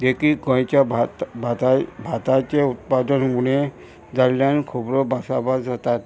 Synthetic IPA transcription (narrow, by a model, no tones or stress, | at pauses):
d̪ekikɔ̃jt͡ʃa | abʱat̪ajt͡ʃeut̪̚pad̪ɔnmune | d͡zaɾlankʰubɾɔbʱasabasat̪at̪